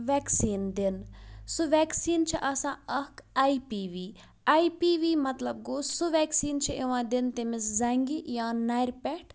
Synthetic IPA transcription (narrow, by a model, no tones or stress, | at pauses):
ʋɛːksiːnd̪insuʋɛːksiːnt͡ʃʰiʔɐsãːɐkaipiːʋiː | aːipiːʋiːmɐt̪lɐb̚ɡoːsuʋɛːksiːnt͡ʃʰieʋãːd̪int̪emeszɐŋɡijãːnajɾpɛʈʰ